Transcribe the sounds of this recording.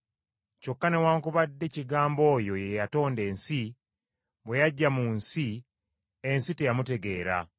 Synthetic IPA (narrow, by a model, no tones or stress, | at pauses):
co̞kːane̞waːŋkuβadːe̞ciɡaːmbo̞ːjo̞jejato̞ːnde̞ːnsi | βwe̞jaɟːamunsi | e̞nsite̞jamute̞ɡe̞ːɾa̰